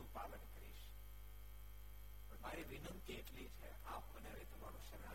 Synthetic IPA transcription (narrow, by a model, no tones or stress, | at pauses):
ũpalənkəɾḭʃ | pəɳmaɾiʋinənt̪ieʈlit͡ʃʰḛ | apkəneɾit̪ʰəma̰ɾũʃəɾa